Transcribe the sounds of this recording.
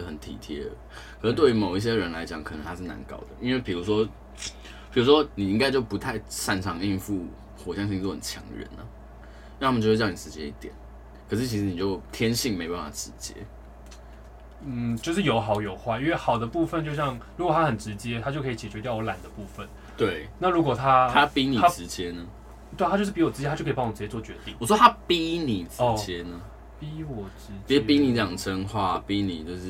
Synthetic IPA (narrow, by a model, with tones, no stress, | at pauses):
xə˨˩nt̪ʰḭ˨˩t̪ʰjɛ̰˦˥ | kʰə˨˩˥t̪we˥˩ɪy˧˥mo˨˩ʊi˥˩ɕ̬jɛ˥ɻə˧˦nla˧˥ɪt͡ɕjɑ˨˦ŋkʰə˨˩nə̰˧˦nt̪ʰa˥ʂ̬ɻ̩˥˩na̰˧˦nkɑ̰˥ʊd̪ə̰˨˩i˥nwe˥˩ɪpʰi˨˩ɻu˧˥ʂwɔ˥ | pʰi˨˩ɻu˧˥ʂwɔ˦˥ni˨˩i˥ŋka˥ɪt͡ɕjo˥˩ʊpu˧˦t̪ʰa˥˧ɪsa˥˩nʈ͡ʂʰɑ˧˥ŋi˥˧nfu˥˩ | xwɔ˨˩ɕjɑ˥˧ŋɕ̬i˥˧t͡swɔ˥˩xə˨˩nt͡ɕʰjɑ̰˧˥ŋə̰ɻə̰˧˦nə̰˦ | n˥˩t̪ʰa˥mə˨˧˥jɑ˥˩n˨˩ʈ͡ʂɻ̩˧˥t͡ɕjɛ̰˥i˥˩t̪jɛ̰˨˩˦n | kʰə˨˩ʂ̬ɻ̩˥˩t͡ɕʰi˧˥ʂɻ̩˧˥ni˨˩t͡ɕjo˥˩ʊt̪ʰjɛ˥nɕi˥˨˩ŋme˧˥o˧pa˥˩fa˨˩ʈ͡ʂɻ̩˧˦t͡ɕjɛ̰˧˥ | n̩˥˩t͡ɕjo˥˧ʂ̬ɻ̩˥˩jo˨˩ʊxɑ˨˩ʊjo˨˩ʊxwa˥˩ɪi˥nwe˥˩xɑ˨˩ʊd̪ə˦pu˥˧fə˨˧nt͡ɕjo˥˧ʊɕjɑ˥˧ŋɻu˧˥kwɔ˨˩t̪ʰa˥xə˨˩nʈ͡ʂɻ̩˧˥t͡ɕjɛ˦˥t̪ʰa˥t͡ɕo˥˩ʊkʰt͡ɕjɛ˨˩t͡ɕʰɛ˧˥tjʊwɔ˧˦˥la˨˩nd̪ə˦pu˥˧˩fə˨n | t̪we˥˩ɪna˥˩ɻu˧˥kwɔ˨˩t̪ʰa˦˥t̪ʰa˥pi˦˥ni˨a˥ʈ͡ʂɻ̩˧˦t͡ɕjɛ˦nə˧ | t̪we˥˩ɪa˥t͡ɕo˥˧ʂɻ̩˥˩pi˧˥wɔ˨˩ʈ͡ʂɻ̩˥jʰkʰpɹ̩˥˧t͡ɕɛ˥t͡swɔ˥˨˩t͡ɕɥɛ˧˦ŋḭ˥˨ŋwɔ˨˩ʂɔ˥t̪ʰa˦˥pi˦ni˨˩ʈ͡ʂɻt͡ɕjɛ˦˥nə˧ | pi˥wɔ˨˩ʈ͡ʂɻ̩˧˥t͡ɕi˨˦˥pi˦˥ni˨˩t͡sə˥˩jɑ˨˩ŋʈ͡ʂʰə˦ŋxwa˥˩˨pi˦nḭ˨˩t͡ɕjo˥˧ʊʂɻ̩˥